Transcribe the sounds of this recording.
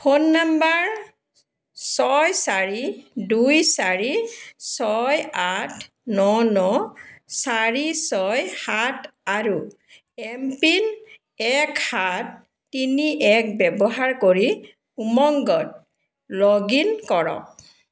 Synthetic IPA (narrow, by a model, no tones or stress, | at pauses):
xonːambaɹ | sɔjsaɹidujsaɹisɔjatʰ | nɔnɔsaɹisɔjhataɹu | ɛmpin | ɛkhatː | iniʔɛk̚bɛbɔɦaɹkoɹi | umɔŋɡɔt̚ | lɔɡinkɔɹɔ̰k